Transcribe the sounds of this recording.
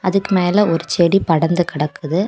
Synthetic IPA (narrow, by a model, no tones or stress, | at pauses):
ɐðɯkːɯmeːlɐɔɾɯt͡ʃɛɽipɐɽɐnd̪ɯkɪɽɐkːɯðɯ